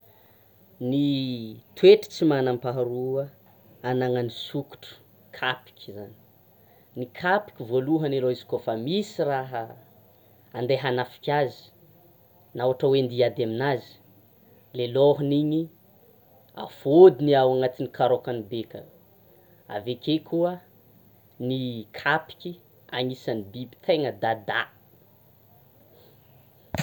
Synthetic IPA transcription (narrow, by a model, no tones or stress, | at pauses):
nit̪weʈ͡ʂi̥t͡simanampaɦaɾuə | anaŋanisuku̥ʈ͡ʂu̥ | kʰapi̥kʲzani̥ | nikʰapi̥kʲivoluɦəneloizi̥kofamisiraɦə | and̪eɦanafi̥kʲazi̥ | nawaʈ͡ʂawend̪iad̪eminazi̥ | leloɦuniɲi | a̰fod̪iniawaŋat̪inikʰaɾokanibekə̰ | a̰vekʰekʰuə | nikʰapi̥kʲi | aŋisanibibi̥t̪ʰeŋəd̪ad̪a